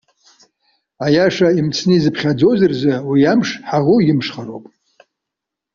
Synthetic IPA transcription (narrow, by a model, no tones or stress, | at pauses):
ajaʂaimt͡sʰnɨizɨpʰχʲad͡zowzɨrzawijamʂħaʁʊjɪmʂχaɾowpʼ